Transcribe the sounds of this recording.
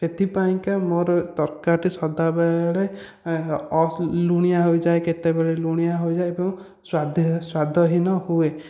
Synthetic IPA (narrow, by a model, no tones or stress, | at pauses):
set̪ʰipaĩkamoɾt̪ɔɾkaɾʈisɔd̪abɛɭe | ɔsluɽ̃ijaɦojd͡ʒaeket̪ebeɭeluɽ̃ijaɦojd͡ʒaeebɔŋ | swad̪ʱswad̪ʱɔɦinɔhue